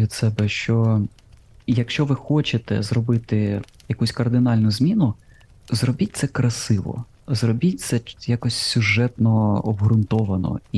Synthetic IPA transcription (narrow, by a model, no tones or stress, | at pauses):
id̪sɛbɛʃt͡ʃɔ | jɐkʃt͡ʃɔʋɪxɔt͡ʃet̪ɛ̰zɾɔbɪt̪ɪ | jɐkusʲkɐrd̪ɪnɑlʲnʊzʲmʲinʊ | zrɔbʲit̚ʲt̪sɛkɾɐsɪʋɔ̰ | zɾɔbʲit̚ʲt̪sɛjakɔsʲsʲʊʒɛt̪nɔɔbɦɾʊnt̪ɔʋɐnɔ̰i